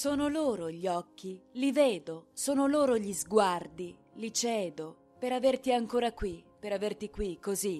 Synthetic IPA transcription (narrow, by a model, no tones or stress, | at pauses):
soːnoloːɾoʎiɔkːiliveːd̪osoːnoloːɾoʎizɡward̪i | lit͡ʃɛːd̪o | peɾavert̪iaŋkoːɾakwipeɾavert̪ikwikːozi